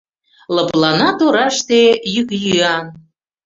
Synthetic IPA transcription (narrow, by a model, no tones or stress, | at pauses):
lə̆plˠɑnɑt̪oɾɑʃt̪ejykjyɑn